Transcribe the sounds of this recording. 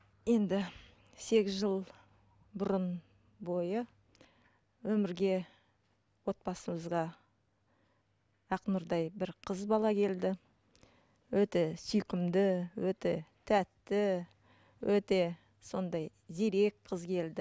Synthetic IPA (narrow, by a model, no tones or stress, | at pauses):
je̞nd̪ɪ | se̞ɡʲɪzʒəlˠ | bʊɾən | bo̞jə | wɵmɪɾɡʲe̞ | wo̞t̪̚bɑsəməzʁɑ | ɑqnʊɾd̪ɑjbɪɾqʰəzbɑlˠɑkʲʰe̞ld̪ɪ | wɵt̪esʏjkʲɪmd̪ɪwɵt̪et̪ʰæt̪ːɪ | wɵt̪e̞ | so̞nd̪ɑj | ziɾe̞kqʰəzkʲʰe̞ld̪ɪ